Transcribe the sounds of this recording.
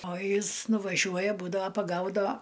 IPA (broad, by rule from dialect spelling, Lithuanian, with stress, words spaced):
oː ˈjɪs nʊʋɐˈʒʲuɔjɛ buːdɐʋɐ pɐˈɡɐʊdɐʋɐ